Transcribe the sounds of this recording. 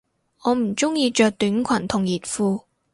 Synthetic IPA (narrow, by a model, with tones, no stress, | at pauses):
ɔː˨˧m̩˨˩t͡sʊ˥ŋjiː˧t͡ʃœː˨˧k̚t̪yː˨˥nkʷʰɐ˨˩nt̪ʰʊ˨˩ŋjiː˨˩t̚fuː˧